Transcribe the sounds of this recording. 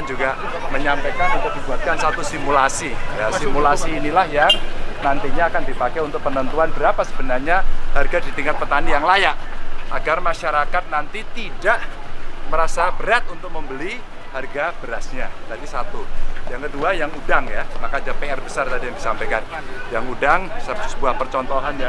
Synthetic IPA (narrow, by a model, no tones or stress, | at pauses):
d͡ʒuɡa | məɲampajkanunt̪ʊk̚dibuat̪̚kansat̪usimulasijasimulasiːnilahjaŋnant̪iɲaːkandipakaunt̪ʊk̚pənənt̪uanbəɾapasəbənarɲaharɡadit̪iŋat̪̚pət̪anijaŋlajaʔʔaɡarmaʃaɾakat̪̚nant̪it̪idaʔməɾasabəɾat̪̚unt̪ʊk̚məmbəli | harɡabəɾasɲadadisat̪ujaŋkəduajaŋudaŋjamakad͡ʒapeɛrbəsart̪adijaŋdisampajkan | jaŋudaŋbsəpsʊsəkuahpərt͡ʃɔnt̪ɔɦanja